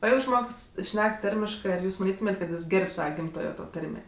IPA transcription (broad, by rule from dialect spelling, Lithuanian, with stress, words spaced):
oː ˈjɛɪɡʊ ˈʒmoːks ˈʃʲnʲɛk ˈtɐrʲmʲɪʃkɜ ɐr ˈjuːs mɐˈnʲiːtʊmʲeːtʲ kɐt ˈjɪs ˈɡʲɛrʲpʲ ˈsɑːʋɐ ˈɡʲɪmtoːjoː toː ˈtɐrʲmʲeː